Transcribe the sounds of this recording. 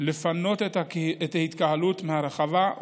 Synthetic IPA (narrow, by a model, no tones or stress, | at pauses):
le̞fano̞t̪etaet̪ahit̪kaɦalut̪mehaɾeχava